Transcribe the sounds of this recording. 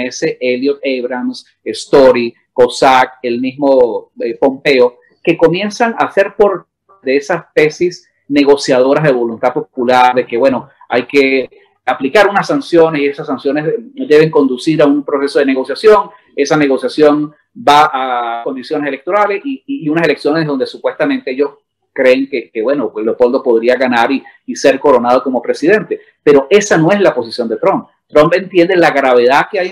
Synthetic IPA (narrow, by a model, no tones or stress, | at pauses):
eseʔeljot̪̚eβɾans | est̪oɾi | ko̞sak̚e̞lmizmo̞epo̞mpe̞o | ke̞ko̞mje̞nsaŋase̞ɾpo̞ɾ | d̪e̞esaspe̞sis | neɣo̞sjað̞o̞ɾazðe̞βo̞lunt̪apo̞pulaɾðe̞ke̞βwe̞no̞ | a̰jke̞ | aplikaɾunasːansjo̞nesie̞sasːansjo̞nesd̪e̞β̞e̞ŋko̞nd̪usiɾaumpɾo̞se̞so̞ð̞eneɣo̞sjasjo̞ŋ | e̞sane̞ɣo̞sjasjo̞n | baʔako̞nd̪isjo̞nese̞lekt̪o̞ɾale̞siːunase̞le̞ksjo̞ne̞sðo̞nd̪esupwe̞st̪amẽnt̪e̞eʝo̞s | kɾe̞ːŋkekeβwe̞nolopo̞ld̪opo̞ðɾiaɣanaɾiː | se̞ɾko̞ɾo̞nað̞oko̞mo̞pɾe̞siðe̞nt̪e̞ | pe̞ɾo̞ʔe̞sano̞e̞slapo̞sisjo̞nd̪e̞t̪ɾomp̚ | t̪ɾompe̞nt̪je̞nd̪elaɣɾaβe̞ðaðkeaj